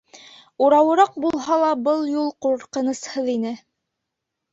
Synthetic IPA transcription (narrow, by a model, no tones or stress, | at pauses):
uɾɑwɤ̆ɾɑq̚bulˠɦɑlˠɑbɤlˠjulˠquɾqɤ̆nɤ̆shɤðinɘ